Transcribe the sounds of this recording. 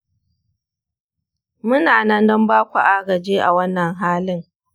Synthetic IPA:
mʊ˦naː˨nɐ˦ndɔ˦mbaː˦kʷa̰˨ʔaː˦ɡɐ˨d͡ʒeː˦ʔa̰˨wɐ˦nːɐ˨ŋɦaː˦lɪ˦ŋ

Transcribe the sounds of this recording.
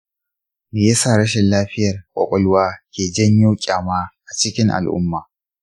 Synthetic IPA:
meː˨ja˦saː˦˨ɽɐ˦ʃɛ˨nlaː˦ɸɪ˦jɐ˨rkʷʼɔ̰˨kʷʼɔ˦lʊ˦waː˦kʲeː˨d͡ʒɐ˦ɲju˦kʲʼaː˨maː˦ʔa˨t͡ʃɪ˦kʲɪ˦ŋʔa̰˨lʔʊ̰˦mːaː˨

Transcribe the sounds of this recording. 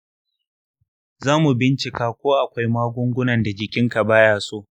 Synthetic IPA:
zaː˦mu˨bɪ˦nt͡ʃɪ˨kaː˦kʷoː˦ʔa˨kʷa˦jmaː˦ɡʷʊ˦ŋɡʷʊ˦nɐ˨nda˨d͡ʒɪ˨kʲɪ˦ŋka˨baː˦jaː˨soː˦ʔ

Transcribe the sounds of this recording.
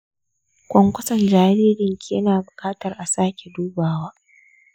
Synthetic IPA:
kʷɔ˦ŋkʷʊ˦sɐ˨nd͡ʒaː˨ɾeː˦ɾɪ˨ŋkʲe˦naː˨bʊ˨kʼaː˦tɐ˨rʔa˨saː˦kʲe˨duː˦baː˨waː˦

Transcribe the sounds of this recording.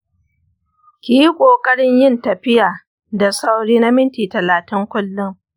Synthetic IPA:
kʲiː˦kʷʼoː˨kʼɐ˦ɽɪ˦ɲjɪ˦˨ntɐ˨ɸɪ˦jaː˨ | da˨sa˦wɽiː˦na˦mɪ˦ntiː˨tɐ˨laː˨tɪ˦ŋkʷʊ˦lːʊ˦m

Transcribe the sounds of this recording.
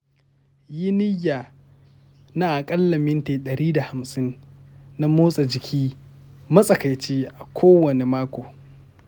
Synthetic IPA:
jɪ˦nɪ˦jːaː˨ | naː˦˨ʔa˨kʼɐ˦lːɐ˨mɪ˦nteː˨ɗɐ˨ɾiː˦da˨ha˨msʼɪ˦nna˦moː˦sʼa˨d͡ʒɪ˨kʲʰiː˦mɐ˦sʼɐ˨ka˨jt͡ʃeː˦ʔa˨kʷʰoː˦wɐ˨ne˨maː˦kʷoː˨

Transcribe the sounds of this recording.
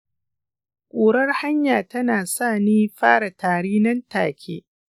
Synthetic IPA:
kʷʼoː˨ɽɐ˦rha˦ɲjaː˨tɐ˦naː˨saː˦˨niː˦ɸaː˦ɽa˨taː˨ɽiː˦nɐ˦ntaː˨kʲʰḛː˦

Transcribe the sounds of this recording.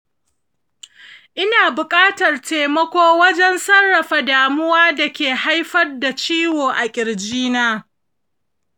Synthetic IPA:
ʔɪ˦naː˨bʊ˨kʼaː˦tɐ˨rteː˨mɐ˦kʷoː˦wɐ˦d͡ʒɛ˦nsɐ˦rːɐ˨ɸa˨daː˨mʊ˦waː˦da˨kʲeː˨ha˦jɸɐ˦rda˨t͡ʃiː˦woː˨ʔa˨kʲʼɪ˨ɽd͡ʒiː˦naː˦

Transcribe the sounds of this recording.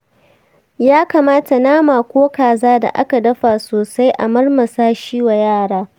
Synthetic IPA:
jaː˦kaː˨maː˦ta˨naː˦maː˨kʷoː˦kaː˨zaː˦da̰˨ʔa˦ka˨dɐ˦ɸaː˨soː˨sa˦jʔa̰˨mɐ˦rmɐ˨saː˦ʃiː˦wa˨jaː˦˨ɽaː˦

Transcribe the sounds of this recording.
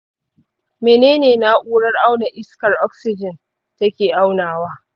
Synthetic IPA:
meː˨neː˦neː˨na˦ʔʷuː˦ɽɐ˦rʔa˦wna˨ʔɪ˦skɐ˨rʔɔ˦ksɪ˦d͡ʒɪ˨n | ta˦kʲeː˨ʔa˦wnaː˨waː˦

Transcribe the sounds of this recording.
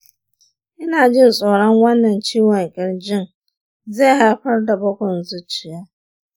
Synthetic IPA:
ɪ˦na˨d͡ʒɪ˦n̩˨sʼɔː˨ɾa˦ŋ˦wa˦nːa˨n̩˨t͡ʃi˦wa˨ŋ̩˨kɪ˨ɾd͡ʒɪ˦n˨ | ze˦ɦa˦˨kʷa˦ɾda˨bɔ˦kʷɔ˨n̩˨zʊ˦t͡ʃi˨ja˦

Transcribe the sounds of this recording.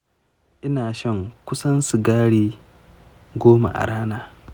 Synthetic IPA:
ʔɪ˦naː˨ʃɐ˦ŋkʷʊ˦sɐ˦nsu˨ɡaː˦ɽiː˦ | ɡʷoː˦ma̰˨ʔa̰˨ɽaː˦naː˨

